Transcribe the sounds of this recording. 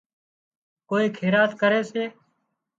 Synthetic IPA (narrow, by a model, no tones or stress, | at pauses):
koːiːkʰeːɾaːt̪kəɾeːseː